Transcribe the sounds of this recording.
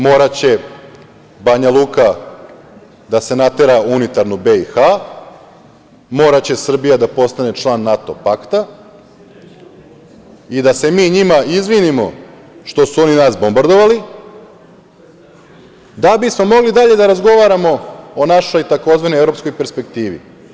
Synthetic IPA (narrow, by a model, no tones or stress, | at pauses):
mo̞ːɾat͡ɕe̞ | baɲalˠuːka | d̪ase̞nat̪eɾaunit̪aɾnubeixa | mo̞ːɾat͡ɕe̞sr̩bijad̪apo̞st̪ane̞t͡ʃlˠaːnːat̪o̞pakt̪a | id̪ase̞miːɲimaizʋinimo̞ | ʃt̪o̞suo̞ninaːsbo̞mbaɾd̪o̞ʋali | d̪abismo̞mo̞ɡlid̪aʎe̞d̪aɾazɡo̞ʋaɾamo̞ːonaʃo̞jt̪ako̞zʋanojeɾo̞psko̞jpe̞ɾspe̞k̚t̪iːʋḭ